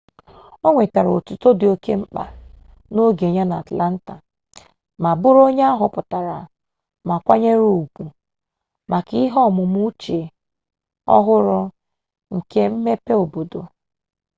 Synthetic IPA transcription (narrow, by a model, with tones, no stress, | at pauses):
o˦ŋʷe˨ta˨ɾo˨tu˨to˦dɪ˨o˦ke˦m̩˦k͡pa̰˨ | no˦ɡe˨ɲa˦na˨a˨tla˦n̩˦ta˨ | ma˨bʊ˦ɾo˦ɲe˦a˦ɦʊ˨pʊ˨ta˨ɾa̰˨ | ma˨kʷa˦ɲe˦ɾu˨u˨ɡu˨ | ma˨ki˦ɦɔ˦˨mʊ˨mu˦t͡ʃe˨ | ɔ̰˦ɦʊ˦ɾʊ˦ | ŋ̩˨ke˦m̩˦me˦pe˦o˨bo˨do˨